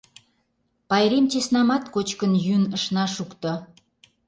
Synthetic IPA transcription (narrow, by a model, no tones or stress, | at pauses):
pɑjɾemt͡ɕesnɑmɑt̪kot͡ɕkənjynəʃnɑʃukt̪o